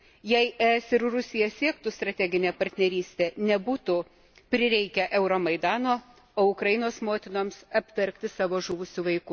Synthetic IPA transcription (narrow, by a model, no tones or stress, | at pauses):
jɛɪʔɛɛsɪɾrʊsʲɪjɛsʲiɛkt̪ʊst̪ɾɐt̪ʲæːɡʲɪnʲeːpɐɾʲt̪ʲnʲɛɾʲiːsʲt̪ʲeːnʲɛbuːt̪ʊ | pʲɾʲɪɾʲɛɪkʲɛʔɛʊɾoːmɐɪd̪ɑːnoː | oːʊkɾɐjɪnoːsmoːt̪ʲɪnoːmsɐpʲt̪ʲɛɾʲkt̪ʲɪsɑːʋoːʒuːʋʊsʲuːʋɐɪkʊ